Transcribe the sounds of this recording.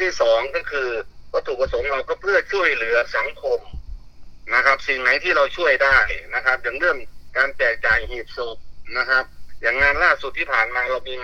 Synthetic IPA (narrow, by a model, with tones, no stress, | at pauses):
t̪ʰiː˥˩sɔː˨˩˦ŋkɔː˥˩kʰɯː˧pʰɔː˧˩t̪ʰuː˨˩k̚pa˧so˨˩˦mɾa˧wkɔː˥˩pʰɯ˥˩ɐt͡ɕʰu˥˩əjlɯ˨˩˦ɐsa˨˩˦ŋkʰo˧m | na˦˧˥kʰa˦˥p̚si˨˩ŋna˨˦jt̪ʰiː˥˩ɾa˧wt͡ɕʰu˥˩əjdaː˥˩jna˦˧˥kʰa˦˥p̚ja˨˩˦ŋlɯ˥˩əŋkaː˧npɛː˨˩k̚t͡ɕaː˨˩jhiː˨˩p̚su˨˩k̚na˦˥kʰa˦˥p̚jaː˨˩ŋːaː˧nlaː˥˩su˨˩t̪ʰːiː˥˩pʰaː˨˩nmaː˧ɾa˧wmiː˧ŋ